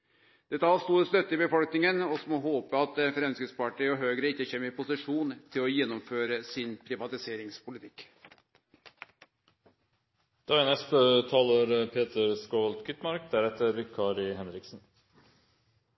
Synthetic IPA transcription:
d̪̥ɛt̪əhɑst̪uːɾəst̪œt̪ːəɪbəfɔlknɪŋənɔsmɔɦoːpəɑt̪fɾɛmskəspɑʈiɔɦøːɡɾəɪçːəçɛmːəɾɪpʰʊsɪʂuːnt̪ʰɪlɔjɛnːɔmføːɾəsɪnpʰɾɪʋɑt̪ɪseːɾɪŋspʰʊlɪt̪ʰɪk | d̪̥ɑɛnəst̪ət̪ʰɑːləɾpʰeːt̪ʰəɾskolt̪ɡʏt̪mɑɾkd̪æɾɛt̪ːəɾʋɪkʰɑɾɪhɛnɾɪksn̩

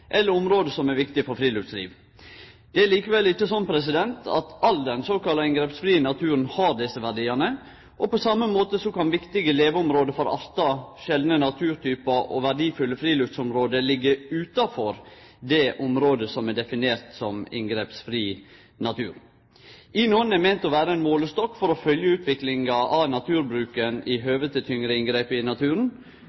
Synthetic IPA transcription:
ʔɛlːəɾɔmɾoːd̪əsɔmæɾʋɪkt̪ɪfɔɾfɾiːlʉft̪slḭːʋ | d̪̥ɛæɭiːkəʋɛlːɪçːəsɔnːpʰɾɛs̬ɪd̪ɛnt̪ʰɑ̰t̪ɑld̪ɛnsoːkɑlɑɪŋɡɾeːpsfɾiːənɑt̪ʰʉːɾənhɑɾd̪ɪsəʋæɖiːɑnə | ʔɔpɔsɑmːəmoːt̪əsɔkɑnʋɪkt̪ɪɡəleːʋəɔmɾoːd̪əfɔɾɑ̰ɾt̪ɑʃɛld̪nənɑt̪ʰʉːɾt̪ʰyːpɑʔɔ̰ʋæɖiːfʉlːəfɾiːlʉft̪sɔmɾoːd̪əlɪɡːəʉːt̪ɑfɔɾd̪ɛʔʊmɾoːd̪əsɔmɛɖ̪ɛfɪneːɾt̪sɔmɪ̰ŋɡɾeːpsfɾiː | nɑt̪ʰʉːɾ | ɪnuːənɛmɛɪnt̪ɔʋæːɾəɛnmoːləst̪ɔkːfɔɾɔfœljəʉːt̪ʋɪklɪŋɑʔɑʋnɑt̪ʰʉːɾbɾʉːkənɪɦøːʋət̪ət̪ʰʏŋɾəɪŋɡɾeːpɪnɑt̪ʰʉːɾən̩

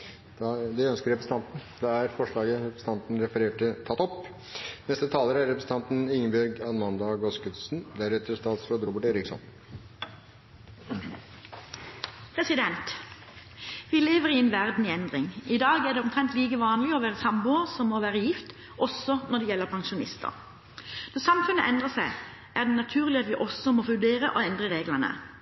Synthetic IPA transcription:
d̪̥ɑd̪ɛœnskəɾɛpɾɛsnt̪ʰɑnt̪n̩d̪ɛæɾfɔʂɭɑːɡəɾɛpɾst̪ʰɑnt̪n̩ɾɛfəɾeːʈət̪ʰɑt̪ːɔp | nɛst̪ət̪ʰɑːləɾæɾɾɛpɾɛsn̩ʰɑnt̪n̩ɪŋbæɾɡɑnmɑnd̪ɑɡɔskʉt̪sn̩d̪æɾɛt̪əʂt̪ɑːt̪sɾod̪əɾɔbəʈeːɾɪksɔ̰n | pʰʁɛsɪd̪ɛnt̪ | ʋɪːleːʋəʁɪɛnʋæʁd̪n̩ɪɛnd̪ʁɪŋɪd̪ɑːɡæʁd̪ɛɔmt̪ʰʁɛnt̪liːkəʋɑːnlɪɔʋæːʁəsɑmbʊəsɔmoʋæːʁəjɪft̪ | ʔɔsɔnɔd̪ɛjɛlːəʁpʰɑŋʃʊnɪ̰st̪ə̰ʁ | nɔʁsɑmfʉnəʔɛnd̪ʁəsæɪ | ʔæʁd̪ɛnɑt̪ʰʉːʁlɪɑt̪ʋɪʔɔsɔmoːfʉd̪eːʁəʔoɛnd̪ʁəʁeːɡlənə̰

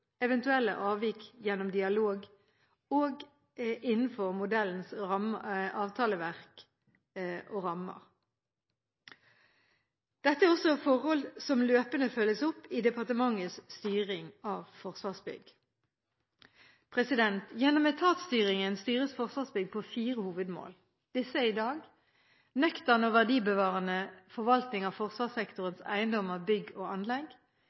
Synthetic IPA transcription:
ɛʋɛnt̪ʉɛlːə̰ʔɑːʋiːkjɛnɔmd̪ɪɑloːɡ | oːɡ | ɪnn̩fɔʁmʊd̪ɛln̩sʁɑmʔɑːʋt̪ʰɑːləʋæʁk | ʔoʁɑmə̰ʁ | d̪̥ɛt̪ːəæʁɔsɔfɔʁhɔlsɔmløːpənəfœlːəsɔpːid̪ɛpɑʁt̪əmɑŋːəsst̪yːʁɪŋɑːʋfɔʁsʋɑːʁsbʏ̰ɡ | pʰʁɛsɪd̪ɛnt̪jɛnːɔmeːt̪ʰɑːt̪st̪yːʁɪŋənst̪yːʁəsfɔʁsʋɑːsbʏɡpʰoːfiːʁəhuːʋəd̪mo̰ːl | d̪̥ɪsəid̪ɑːɡ | nœkt̪əʁnɔʋæʁd̪iːbəʋɑːʁənəfɔʁʋɑlt̪nɪŋɑʋfɔʁsʋɑːsɛkt̪ʊʁənsæ̰ɪənd̪ɔməʁbʏɡoːɑnlɛɡ

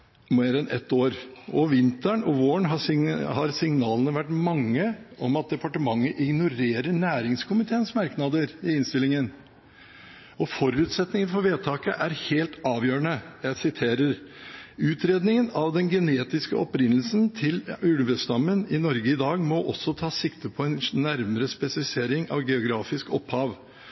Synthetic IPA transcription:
meːɾɛnʔɛ̰t̪ːoːɾʔɔʋɪnt̪əɳɔʋoːəɳɦɑɪhɑɾsɪŋnɑːlənəʋæʈːmɑŋːəʔɔmɑt̪̚d̪ɛpɑʈəmɑŋːəʔɪɡnʊɾeːɾəɳæːɾɪŋskʰʊmɪt̪ʰeːənsmɑɾknɑd̪əɾɪɪnst̪ɪlɪŋən | ɔfɔɾʉʉːt̪sɛt̪nɪŋənfɔɾʋeːt̪ʰɑːkə̰ʔæɾheːlt̪ɑːʋjøːɾəɳəjæɪsɪt̪ʰeːɾəɾ | ʉːt̪ʰɾeːd̪nɪŋənɑʋd̪ɛnɡɛneːt̪ɪskəɔpɾɪnːl̩snt̪ʰɪlʉɽʋəst̪ɑmːənɪnɔɾɡəɪd̪ɑːɡmɔʔɔsɔt̪ʰɑːsɪkt̪əpʰɔɛnnæɾməɾəspɛsɑlɪseːɾɪŋɑ̰ʋɡɛʊɡɾɑːfɪskɔphɑːʋ

